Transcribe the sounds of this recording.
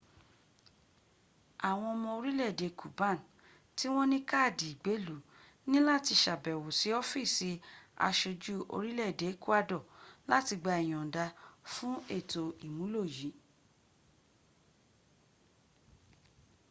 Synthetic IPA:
a˨w̃ɔ̃˧ɔ˧mɔ̃˧o˧ɾi˦lɛ˦˨de˨kʰu˨bã˦˨n˨ | ti˦w̃ɔ̃˦nĩ˦ka˦˨di˨i˨ɡ͡be˨˦lu˨˦ | nĩ˦la˦˨ti˧ʃa˨bɛ˨wo˨si˨˦ɔ˦fi˦˨si˧a̰˧ʃe˧d͡ʒu˦ʔo̰˧ɾi˦lɛ˦˨de˨˦ku˦a˦˨dɔ˦˨la˦ti˧ɡ͡ba˧i˨j̃ɔ̃˨da˧fũ˦e˦˨to˨i˨mũ˨˦lo˦˨ji˨˦

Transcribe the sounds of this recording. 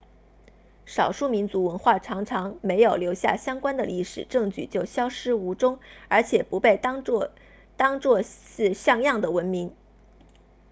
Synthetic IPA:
ʂɑ˨˩ʊʂu˥˩mi˧˥nt͡su˧˥wə˧˥nxwa˥˩ʈ͡ʂʰɑ˧˥ŋʈ͡ʂʰɑ˧˥ŋme˧˥ɪjo˨˩ʊljo˧˥ʊɕja̰˥˩ɕjɑ˥ŋkwa˥nd̪ə˨li˥˩ʂɻ̩˨˩ʈ͡ʂɤ˥˧ŋt͡ɕy̰˥˩t͡ɕjo˥˩ʊɕjɑ˥ʊʂɻ̩˥u˧˥ʈ͡ʂʊ˥ŋə˞˧˥t͡ɕʰjɛ˨˩pu˧˥pe˥˩ɪ | t̪ɑ˥ŋt͡swɔ˥˧ɹ̩˥˧ɕjɑ˥˧ŋjɑ˥˩ŋd̪ə˩wə˧˥nmi˧˥ŋ

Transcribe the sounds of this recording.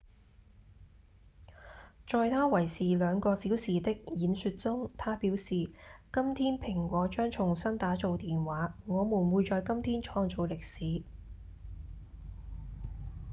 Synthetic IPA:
t͡ʃɔː˨˧jt̪ʰaː˥wɐ˨˩jsiː˨˩lœː˨˧ŋkɔː˧siː˨˥wsiː˨˩t̪ɪ˥k̚jiː˨˥nsy˧t̚t͡sʊ˥ŋt̪ʰaː˥piː˨˥wsiː˨kɐ˥mt̪ʰiː˥npʰɪ˨˩ŋkʷɔː˨˥t͡ʃœː˥ŋt͡ʃʰʊ˨˩ŋsɐ˥nt̪aː˨˥t͡so˨wt̪iː˨nwaː˨˥ŋɔː˨˧muː˨˩nwuː˨˧jt͡sɔː˨˧jkɐ˥mt̪ʰiː˥nt͡ʃʰɔː˧ŋt͡so˨˧wlɪ˨k̚siː˨˥

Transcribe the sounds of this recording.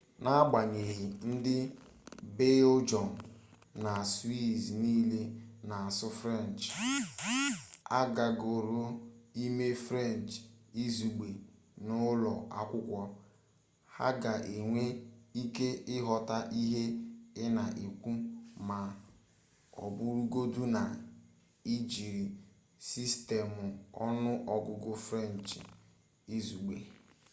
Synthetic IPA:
na˦ɡ͡ba˨ɲe˨ɦɪ˨n̩˦dɪ˦ | be˦d͡ʒɔ˨n˨ | na˨swi˦zniː˦le˦na˨a˨sʊ˦fɾe˦˨n˨t͡ʃ | a˦ɡa˨ɡo˨ɾo˦i˦me˦fɾe˦˨n˨t͡ʃi˦zu˨ɡ͡be˨ | nʊ˦lɔ˨a˦kʷʊ˦kʷɔ˦ | ha̰˦ɡa˨ʔe˨ŋʷe˦i˦ke˦ɪ˦ɦɔ˨ta˦ʔi˦ɦe˦ɪ˦na˨ʔi˨kʷu˦ma˨ | ɔ̰˨bʊ˦ɾu˦ɡo˦du˦na˨ | i˦d͡ʒi˨ɾi˨ | si˦ste˨mʊ˨ɔ˦nʊ˦ʔɔ˨ɡʊ˨ɡʊ˦fɾe˦˨n˨t͡ʃi˨ | i˦zu˨ɡ͡be˨

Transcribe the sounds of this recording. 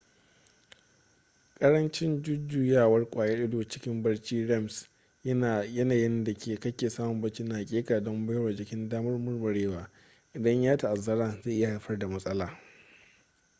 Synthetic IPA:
kʼɐ˦ɾɐ˦nt͡ʃɪ˦nd͡ʒʊ˦d͡ʒu˨jaː˦˨wɐ˦rkʷʼaː˨jɛ˦ʔɪ˦doː˨t͡ʃɪ̥˦kʲɪ˦mbɐ˦rt͡ʃiː˦ɽɛ˦˨ms | jɐ˦naː˨jɪ˦nda˨kʰʲeː˨kɐ˦kʲeː˨saː˦mʊ˨mbɐ˦t͡ʃi˦naː˨kʲʼeː˦kaː˨dɔ˦mbɐ˦jwɐ˨d͡ʒɪ˨kʲɪ˦ndaː˦mɐ˦rmʊ˦rbɐ˨ɽeː˦waː˨ | ʔɪ˨dɐ˦ɲjaː˦ta˨ʔa˨zɐ˦ɾaː˦zeː˦˨ʔɪ˦ja˨ha˨jɸɐ˦rda˨mɐ˦sʼɐ˦laː˨

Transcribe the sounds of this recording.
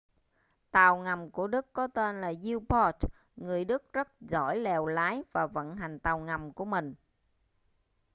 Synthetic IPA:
t̪aː˨˩wŋa˨˩mku˧˩əɗɨ˦˥kːɔ˨˦t̪e˧nlaː˨˩zi˧wpɔ˦˥t | ŋɨ˨˩əjɗɨ˦˥k̚zə˦˥t̚zɔ̰˧˩jlɛ˨˩wlaː˨˦jvaː˨˩və̰˧˨nɦa˨˩jŋ̟t̪aː˨˩wŋa˨˩mku˧˩əmï˨˩ŋ̟

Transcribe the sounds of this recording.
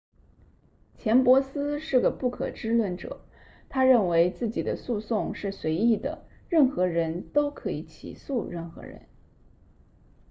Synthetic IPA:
t͡ɕʰjɛ˧˥npwɔ˧˥sɹ̩˥ʂɻ̩˥˩ɡə˩pu˥˩kʰɤ̰˨˩ʈ͡ʂɻ̩˥lwə˥˩nʈ͡ʂɤ̰˨˩˦ | t̪ʰa˥ɻə˥˩nwe˧˥ɪt͡sɹ̩˥˩t͡ɕi˨˩d̪ə˦su˥˧sʊ˥˧ŋʂɻ̩˥˩swe˧˥ɪi˥˩d̪ə̰˩ɻə˥˩nxɤ˧˥ɻə˧˥nt̪o˥ʊkʰɤ˧˥i˧˥t͡ɕʰḭ˨˩su˥˧ɻə˥˩nxɤ̰˧˥ɻə̰˧˥n

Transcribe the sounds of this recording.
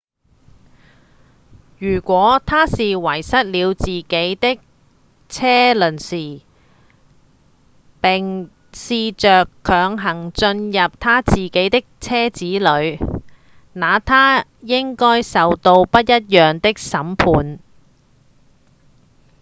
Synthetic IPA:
jyː˨˩kʷɔː˨˥t̪ʰaː˥siː˨wɐ˨˩jsɐ˥t̚liː˨˧wt͡siː˨ke˨˥jt̪ɪ˥k̚ | t͡sʰɛː˥lɵ˨˩nsiː˨˩ | pɪ˨ŋ | siː˧t͡ʃœː˨kʰːœː˨˧ŋɦɐ˨˩ŋt͡ʃɵ˧njɐ˨p̚t̪ʰaː˥t͡siː˨˩ke˨˥jt̪ɪ˥k̚t͡sʰɛː˥t͡siː˨˥lɵ˨˧ɥ | naː˨˧t̪ʰaː˥jɪ˥ŋkɔː˥jsɐ˨wt̪o˧wpɐ˥t̚jɐ˥t̚jœː˨ŋt̪ɪ˥k̚sɐ˨˥mpʰuː˨˧n

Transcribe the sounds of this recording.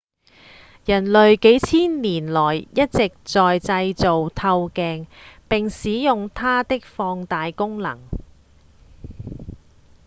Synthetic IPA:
jɐ˨˩nlɵ˨ɥke˨˥jt͡sʰiː˥nliː˨˩nlɔː˨˩jjɐ˥t̚t͡sɪ˨k̚t͡sɔː˨jt͡sɐ˧jt͡so˨wt̪ʰɐ˧wkɛː˧ŋpɪ˨ŋsiː˨˥jʊ˨ŋt̪ʰaː˥t̪ɪ˥k̚fɔː˧ŋt̪aː˨jkʊ˥ŋlɐ̰˨˩ŋ

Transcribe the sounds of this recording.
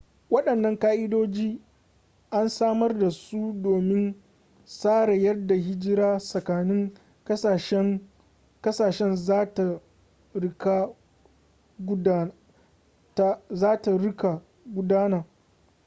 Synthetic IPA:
wɐ˦ɗɐ˨nːɐ˦ŋkaː˦ʔɪ˦doː˦d͡ʒiː˦ | ʔa˦nsaː˦mɐ˦rda˨su˦doː˨mɪ˦n | saː˦ɾa˨jɐ˦rda˨hɪ˦d͡ʒɪ˦ɾaː˦sɐ˨kaː˨nɪ˦ŋ | kɐ˦sʃ | kɐ˦saː˨ʃɛ˦n˦ta˨˦ | ka˦ | ta˦zaː˦ta˨ɽʊ˦ka˨ | ɡʷʊ˦daː˦naː˨

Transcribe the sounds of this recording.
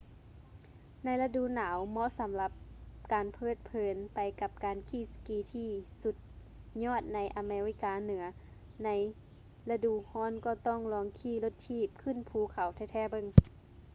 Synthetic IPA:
na˧˥jla˧du˧˨naː˨˦wmɔ˧˥ʔsa˨˦mla˧˦p̚kaː˨npʰɤː˧˥˨t̪̚pʰɤː˨˦npa˨˩jka˧˦p̚kaː˨nkʰiː˧˩˨skiː˧˦t̪ʰiː˧˩su˧˦t̪̚ | ɲɔː˧˥˨t̪̚na˧˥jʔa˨meː˧ɾi˧˥kaː˨nɯ˩˦ɐ | na˧˥j | la˧duː˧˨hɔː˧˥˨nkɔː˧˩t̪ɔː˧˥˨ŋlɔː˧˦ŋkʰiː˧˩˨lo˧˦t̪̚tʰiː˧˥˩p̚kʰɯ˧˥˨npʰuː˨˦kʰa˨˩wt̪ʰɛː˧˩t̪ʰɛː˧˥˨bɤ˧˥˨ŋ

